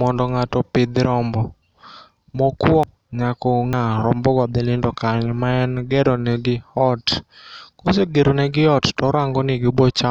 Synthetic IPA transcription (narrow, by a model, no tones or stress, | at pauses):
ɔndɔŋatɔpɪd̪ɾɔmbɔ | mɔkwɔ | ɲakɔŋaɾɔmbɔɡɔd̪ɪlɪndɔkaɲɛmaɛnɡɛɾɔneɡɪɔtkoseɡeɾonɛɡɪɔttɔɾaŋɡɔnɪɡɪbɔt͡ʃa